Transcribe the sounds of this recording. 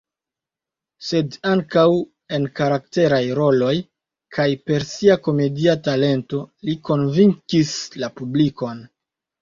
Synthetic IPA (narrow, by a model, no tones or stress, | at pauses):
se̞daŋkaw | e̞nkaɾak̚te̞ɾajɾo̞lo̞j | kʰajpe̞ɾsiako̞me̞diatale̞nto̞liko̞nviŋkislapubliko̞n